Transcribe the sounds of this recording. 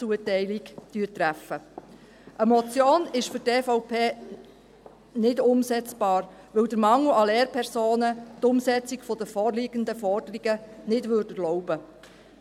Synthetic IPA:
t͡suətɛɪliɡd̥yːɾt̪ɾæfə | ʔəmɔt͡sjoːnɪʃfʏɾtɛfoʊpʰeː | nɪdʊmsɛt͡sb̥ɑːɾ | ʋɪwd̪əɾmɑŋːuɑlɛːɾpʰɛɾsoːnətʊmsɛt͡siɡfɔd̥̪əfɔrliɡ̥ənd̪əfɔrd̥əɾiɡənɪdvʋøːɾdəlɔʊbə

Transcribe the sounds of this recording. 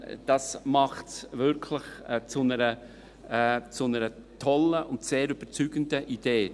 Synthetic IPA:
d̥ɑsmɑχtsvɪɾkʰlɪχt͡sʊnəɾə | t͡sʊnəɾətʰɔləʊntseːɾyb̥ət͡syɡ̥əndəʔid̥eː

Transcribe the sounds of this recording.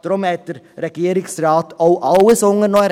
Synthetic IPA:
t̪ɾɔmɛːt̪əɾ | ɾɛɡjeːɾɪŋsɾɑːt̪oʊʔɑləsɔŋənɔɾ

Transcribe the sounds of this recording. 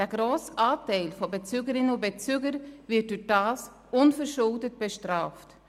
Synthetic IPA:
d̥æːɡ̥ɾoːsʔaːtɛɪlfɔbet͡syɡəɾɪnəʊbɛt͡syːɡəɾvɪt̚dyːχd̥aːs | ʊnfəɾʃʊldət̚b̥ɛʃtɾaːft

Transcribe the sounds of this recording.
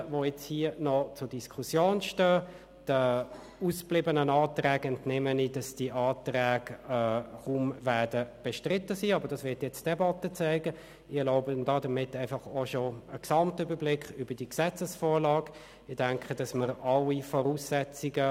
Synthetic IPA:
voɛt͡shiənɔt͡sʊd̥iskʰusjoːnʃtœː | d̥ə | uːsplɪbənənɑːtrɛːɡɛntnɛmənid̥ɑsd̥iʔɑːtʁɛːɡ | χumvɛɐd̥əb̥ɛʃtʁɪtːəsiːɑbəɾd̥ɑsvɪɐtjɛt͡std̥ɛbɑtət͡sæɪɡə | ɪloʊbəndɑdəmɪtæɪfɑχoʃoəksɑmtəybəblɪkχyb̥əd̥iksɛt͡səsfɔːɾlɑːɡ | ɪd̥æŋkχəd̥ɑsməɾʔɑlːifɔɾuːsːɛt͡siɡə

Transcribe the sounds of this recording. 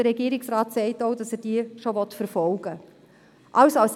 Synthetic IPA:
əɾɛɡiːɾɪksrɑːtsɛɪtoʊdɑsɛːɾd̥iəʃovɔtfəɾfɔlɡ̥ə | ʔɑwsɑls

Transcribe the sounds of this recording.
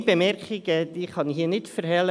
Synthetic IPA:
bemɛɾkɪɡəd̪iːχɑniɦiːənɪtfəɾɦɛlə

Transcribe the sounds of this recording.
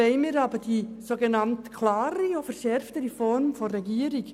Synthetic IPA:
eɪmiːɾɑːbəd̥isoɡenɑmtkʰlaːɾiofəɾʃɛɾftəɾifɔɾmfoɾɛɡiəɾik

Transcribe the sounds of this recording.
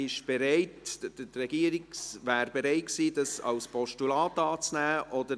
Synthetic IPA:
ɪʃb̥ɛɾɛɪtərɛɡ̥iːəɾɪksvæːɾbeɾɛɪt̚ksiːdɑsɑ̰lspʰɔʃtulɑːtɑːt͡snæːʔɔdə

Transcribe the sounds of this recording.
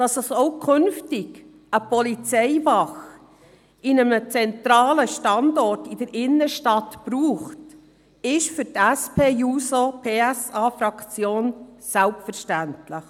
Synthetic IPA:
d̥ɑsəsoʊkʰʏnftɪɡ | əpɔlit͡sɛɪvɑχ | ɪnəmət͡sɛntɾɑːləʃtɑndɔɾtɪd̥əɾʔɪnːəʃtɑtpɾuːχt | ɪʃfʏɾtæspʰeːjuːsopʰeːɛsɑːfɾɑkt͡sjoːnsælpfəɾʃtæntlɪχ

